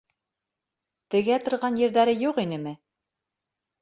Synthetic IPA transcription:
t̪ɘ̆ɡæt̪ŏɾʁɑnjɘ̆ɾðæɾɘjuqinɘmɘ

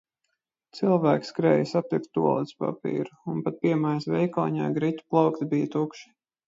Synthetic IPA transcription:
t̪silˠvæːkskɾɛ̰ːjsat̪ikt̪̚t̪ːṵɔlˠit̪spa̰pḭːɾuunpat̪̚piɛmajsvʲɛjkɔ̰ːɲa̰ːɡɾit̪ʲu̥plˠawkt̪bijət̪ukʃi̥

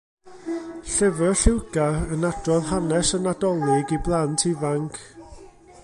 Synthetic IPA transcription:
ɬɛvəɬɪwɡaənadrɔðhanɛsənadɔlˠɪɡiblˠantʰivaŋkʰ

